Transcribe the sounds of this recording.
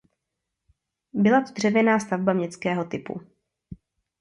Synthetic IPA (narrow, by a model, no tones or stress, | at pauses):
bɪlat̪od̪r̝ɛvjɛnaːst̪avbamɲɛt͡skɛːɦo̞t̪ɪpṵ